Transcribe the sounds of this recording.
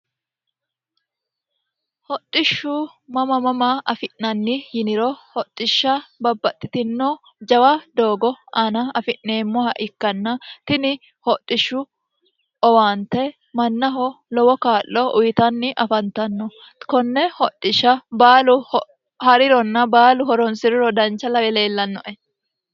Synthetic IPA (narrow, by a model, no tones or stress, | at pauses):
hɔtʼːɪʃːʊ | mɐmɐmɐmɐʔɐfɪʔnɐnːɪjɪnɪɾɔhɔtʼːɪʃːɐbɐbːɐt̪ʼːɪt̪ɪnːoː | d͡ʒɐwɐd̪oːɡɔɐnɐɐfɪʔːe̞ːmːɔhɐʔɪkːɐnːɐt̪ɪnɪ | hɔtʼːɪʃːʊ | ʔɔwaːnt̪ɛ | mɐnːɐɦɔlɔwɔkaːʔːɔʔʊjɪt̪ɐnːɪʔɐfɐnt̪ɐnːɔ | kɔnːɛhɔtʼːɪʃːɐbaːlʊh | hɐɾɪɾɔnːɐbaːlʊɦɔɾɔnsɪɾɪɾɔd̪ɐnt͡ʃːɐlɐwɛleːlːɐnːɔʔɛ